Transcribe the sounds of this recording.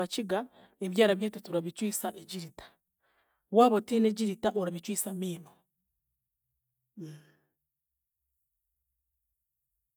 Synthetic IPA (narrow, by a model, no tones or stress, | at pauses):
at͡ʃiɡa | eβjaːɾaβihetetuɾaβit͡ʃwiːsaʔeɟiɾitḁ | waːβotineɟiɾitaʔoɾaβit͡ʃwiːsamiːno